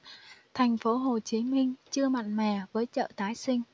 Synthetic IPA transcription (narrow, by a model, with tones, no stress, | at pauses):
t̪ʰa˨˩jŋ̟fo˨˦ɦo˨˩t͡ɕi˨˦mï˧ŋ̟t͡ɕɨ˧əma̰˧˨jŋmɛ̰˧˩vəː˨˦jt͡ɕə̰ː˧˨t̪aː˨˦jsï˧ŋ̟